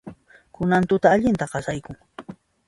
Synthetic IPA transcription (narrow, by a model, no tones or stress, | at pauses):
kʊnant̪ʊt̪aːʎɪnt̪aɢɑsajkʊŋ